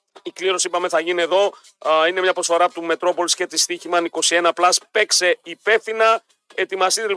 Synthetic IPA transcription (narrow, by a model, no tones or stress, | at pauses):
ikliɾo̞siipɐmeθɐʝinie̞ðo̞ | ine̞mɲɐpɾo̞sfo̞ɾɐpot̪ume̞t̪ɾo̞po̞lisce̞t̪ist̪içimɐniko̞sie̞nɐplɐspe̞kse̞ipe̞fθinɐ | e̞t̪imɐst̪it̪ei